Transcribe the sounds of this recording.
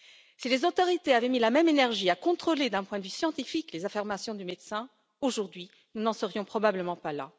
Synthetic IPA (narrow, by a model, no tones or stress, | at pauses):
silezot̪ɔʁit̪eavɛmilamɛmenɛʁʒiakɔ̃t̪χoled̪ɛ̃pwɛ̃d̪əvysjɑ̃t̪ifiklezafiʁmasjɔ̃d̪ymed̪sɛ̃ | oʒuʁd̪ɥi | nunɑ̃səʁjɔ̃pχɔbabləmɑ̃pala̰